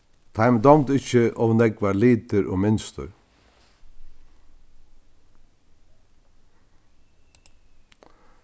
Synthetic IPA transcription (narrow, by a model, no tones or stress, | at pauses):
t̪ʰɑɪmd̪ɑmt̪ɪçəʔɔʋnɛɡʋɑːɾliːt̪əɾʔo̰ːmɪnst̪ə̰ɾ